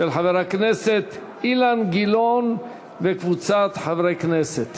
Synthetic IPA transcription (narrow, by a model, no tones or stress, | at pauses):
ʃelħaveɾakneset̪ | ilanɡilon | vekvut͡sat̪ħavɾekneset̪